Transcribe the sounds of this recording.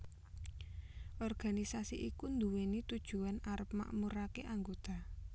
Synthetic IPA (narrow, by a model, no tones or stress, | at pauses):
ʔɔrɡ̥a̤nisasiʔikund̪uwenit̪ud̥ʒ̥ṳanaɾəp̚ma̰ʔmuɾakeʔaŋɡot̪a